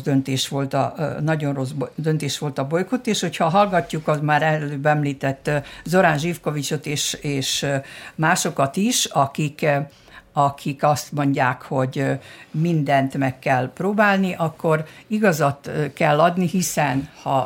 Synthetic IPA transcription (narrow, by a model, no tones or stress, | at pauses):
d̪ønt̪eːʃʋo̞lt̪ɒ̰nɒɟo̞nro̞zbd̪ønt̪eːʃʋo̞lt̪ɒbo̞jkot̪eːʃho̞chɒɦɒlɡɒcːukɒzmaːɾɛløːbɛmliːt̪ɛt̪ːzo̞ɾaːnʒifko̞vit͡ʃot̪eːʃeːʃmaːʃo̞kɒt̪iʃɒkik | ɒkʰikɒst̪mo̞ɲɟaːkho̞ɟmind̪ɛnt̪mɛkːɛlproːbaːlniʔɒkːo̞riɡɒzɒt̪kɛlːɒd̪niɦisɛnhɒ